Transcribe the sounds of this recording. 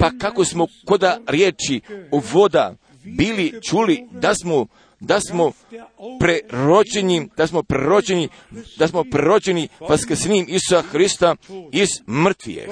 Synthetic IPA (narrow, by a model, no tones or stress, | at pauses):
pakako̞smo̞ko̞d̪aɾjeːt͡ʃioʋo̞d̪a̰ | biːlit͡ʃuːlid̪asmo | d̪asmo | pɾeɾod͡ʑenid̪̥asmo̞pɾeɾo̞d͡ʑeni | d̪asmo̞pɾeɾo̞d͡ʑe̞niʋaskɾ̩sniːmisu̥saxɾist̪aizmr̩t̪ʋḭjḛ